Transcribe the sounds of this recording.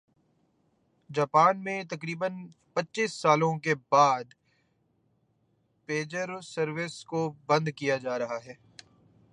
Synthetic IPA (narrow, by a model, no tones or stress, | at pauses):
d͡ʒaːpaːnmẽt̪ɐkɾiːbən | pɐtːʃiːsːaːlõkebaːd̪ | peːd͡ʒəɾsɐɾʋɪskobɐ̃nd̪kijad͡ʒaːɾɐɦaɦɛː